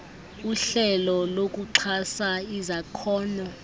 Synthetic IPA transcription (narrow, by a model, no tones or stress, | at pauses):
uɬɛlɔlok̬ʼuǀʰasaizakʰɔːna